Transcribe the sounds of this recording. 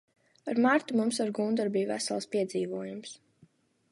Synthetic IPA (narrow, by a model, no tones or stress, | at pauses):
aɾmaɾt̪umums̬aɾɡund̪ɔɾbijvæ̰sa̰lˠspiɛd̪ziːʋuɔjums